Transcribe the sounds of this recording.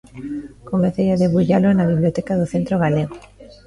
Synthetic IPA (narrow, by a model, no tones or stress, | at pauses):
komeθejaðeβuʎalonaβiβlijot̪ɛkaðoθent̪ɾoɣaleɣ̞o